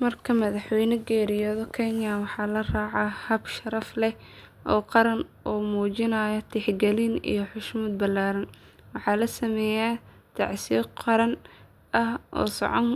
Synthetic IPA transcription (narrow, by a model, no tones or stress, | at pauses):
mɐrkʰɐmɐðɑħwɛjnɐɡɛːɾɪjɔðɔkʰɛnɪjaːwɑħɑːlɐraːʕɑhɐbʃɐɾɐflɛʔɔːqɑɾɐnʔɔːmuːt͡ʃɪnaːjɐt̪ʰɪħɡɛlinḭjɞħʊʃmuːd̪̚bɐlːaːɾɐnwɑħɑːlɐsɐmɛːjaː | t̪ʰɑ̰ʕsiqɑɾɐn | ʔɐhʔɔ̰ːsɔ̰ʕɔn